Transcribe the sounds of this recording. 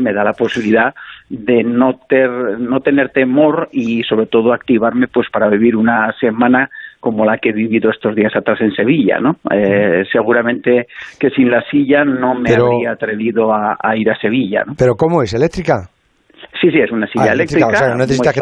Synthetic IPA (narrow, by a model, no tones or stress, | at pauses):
me̞ðalapo̞siβiliðaðe̞no̞t̪eɾno̞t̪e̞ne̞ɾt̪e̞mo̞ɾiso̞β̞ɾe̞t̪o̞ð̞oak̚t̪iβaɾme̞pwe̞spaɾaβ̞iβ̞iɾunase̞mãnako̞mo̞lake̞β̞iβiðo̞est̪o̞zðiasat̪ɾase̞nse̞β̞iʎa̰no̞ese̞ɣ̞uɾamẽ̞nt̪eke̞sinlasiʎano̞meaɾβɾiaːt̪ɾe̞β̞iðo̞aaiɾase̞β̞iʎa̰nopeɾokomoeselek̚t̪ɾika | sisiesunasiʎaelekt̪ɾiaksaeanneθesit̪a